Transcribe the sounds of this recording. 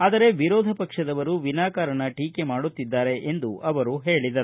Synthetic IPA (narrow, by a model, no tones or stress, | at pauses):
aːd̪ɐɾe̞ʋiɾɔːd̪ʱɐpɐkʂɐd̪ɐʋɐɾuʋinaːkaːɾɐɳɐʈiːke̞maːɽut̪ːid̪ːaːɾe̞ʔend̪uʔɐʋɐɾuɦeːɭid̪ɐɾu